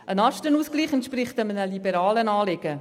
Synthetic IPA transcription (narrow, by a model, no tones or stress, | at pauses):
ʔənɑʃtənuːskliːχɛntʃpɾɪχtəmənəlibɛɾɑːlənɑːlɪɡə